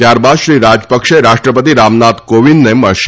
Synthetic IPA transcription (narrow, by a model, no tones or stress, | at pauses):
t̪jaɾbad̪ʃɾiɾad͡ʒpəkʃeɾaʃʈɾəpət̪iɾamnat̪koʋinneməɭʃ